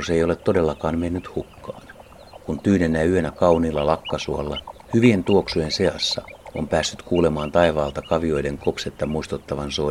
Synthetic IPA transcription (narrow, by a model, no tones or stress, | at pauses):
ose̞jo̞let̪ːo̞de̞lːɑkɑːnmenːyt̪hukːɑ̰ːn | kunt̪yːnenːæyønækɑuniːlːɑlɑkːɑsuolːɑhyʋie̞nt̪uoksujense̞ɑsːɑ̰o̰mpæːsːyt̪kuːle̞mɑːnt̪ɑiʋɑːlt̪ɑkɑʋio̞jde̞ŋkopset̪ːɑmuist̪ut̪ːɑʋɑnso